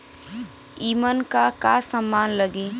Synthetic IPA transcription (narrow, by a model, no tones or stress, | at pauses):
iːmənkakasəmːaːnləɡeː